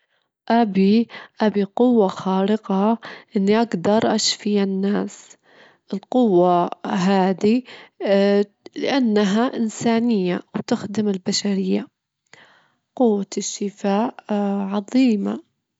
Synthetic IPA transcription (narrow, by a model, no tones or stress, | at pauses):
ʔabiʔabiqʊwːaxɑːɾɪqɑʔɪnːiʔaɡd̪ɑɾˤʔaʃfɪjanːaːs | ʔɪlqʊwːaɦaːd̪i | lɪ̰ʔanːaɦaʔɪnsaːnɪjːawt̪ɪxd̪ɪmɪlbaʃaɾɪjːa | qʊwːaʃːɪfaːʔʕɑðˤiːma̰